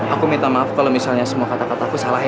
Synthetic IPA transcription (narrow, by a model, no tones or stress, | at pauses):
ʔakumĩt̪amaafkalomisalɲasəmuafat̪at̪at̪akusalaɦ